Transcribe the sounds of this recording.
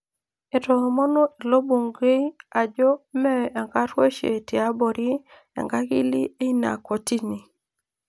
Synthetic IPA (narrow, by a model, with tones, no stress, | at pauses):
e˨tɔ˨mɔ˦nɔ˦i˨lo˦bu˨ŋɡe˦i˦a˨d͡ʒɔ˦mɛ˦˨ɛ˨ŋɡa˦twe˦ʃḛ˨ti˨a˦bo˨ɾi˦ | ɛ̰˨ŋɡa˦ɡḭ˦li˦e˦i˦na̰˨ko˨ti˦ni˨